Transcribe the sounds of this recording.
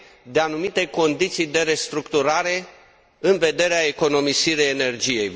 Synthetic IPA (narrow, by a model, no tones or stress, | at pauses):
d̪e̞anumit̪e̞ko̞nd̪it̪sijd̪e̞ɾe̞st̪ɾukt̪uɾaɾe̞ | ɨnve̞d̪e̞ɾeae̞ko̞no̞misiɾejene̞rd͡ʒije̞j